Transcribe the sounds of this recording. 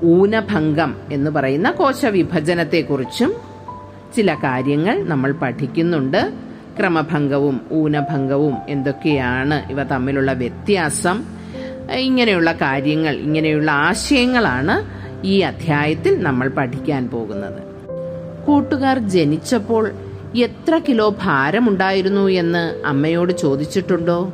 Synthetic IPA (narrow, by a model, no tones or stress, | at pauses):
uːnɐbʱɐŋɡɐme̞nːɨpɐrɐjunːɐko̞ːt͡ɕɐʋibʱɐd͡ʑɐnɐt̪ːe̞kːurit͡ɕːum | t͡ɕilɐkaːɾjɐŋːɐɭnɐmːɐɭpɐʈʰikʲːunːuɳɖɨ | krɐmɐbʱɐŋɡɐʋumuːnɐbʱɐŋɡɐʋume̞nd̪o̞kːe̞jaːɳɨʔḭʋɐt̪ɐmːiluɭːɐʋjet̪jaːsɐm | iŋːɐnejuɭːɐkaːɾjɐŋːɐɭḭŋːɐne̞juɭːɐaːɕɐjɐŋːɐɭaːɳɨ | iːɐd̪ʱjaːjɐt̪ːilnɐmːɐɭpɐʈʰikʲːaːnpo̞ːɣunːɐ̰ðɨ̰ | kuːʈːuɣaːrd͡ʑe̞nit͡ɕːɐpːo̞ːɭ | e̞t̪rɐkilo̞ːbʱaːɾɐmuɳɖaːjiɾunːue̞nːɨɐ̰mːɐjo̞ːɽɨt͡ɕo̞ːd̪it͡ɕːiʈːuɳɖo̞ː